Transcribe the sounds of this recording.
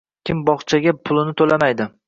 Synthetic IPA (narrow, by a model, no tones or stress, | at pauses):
kʲʰɪmbɒχt͡ʃʰaɡʲapʰʊlˠɪnɪt̪ʰolamajd̪ɪ